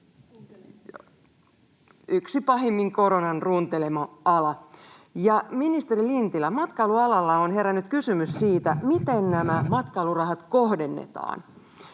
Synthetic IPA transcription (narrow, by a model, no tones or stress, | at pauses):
yksipɑɦemːiŋko̞ɾonɑnrunt̪e̞lemɑɑlɑ | jɑminist̪eɾilint̪ilæmɑt̪kɑːluɑlɑlːɑonɦe̞ɾænːyt̪kysymyssiːt̪æmit̪ennæmæmɑt̪kɑːlurɑɦɑt̪kohde̞nːḛt̪ɑ̰ːn